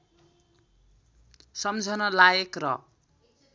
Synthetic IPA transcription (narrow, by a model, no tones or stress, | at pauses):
sʌmd͡zʱʌnʌlajekrʌ̰